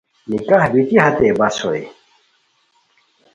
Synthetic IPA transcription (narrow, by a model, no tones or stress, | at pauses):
nikahbit̪iɦɐt̪eːbɐsoj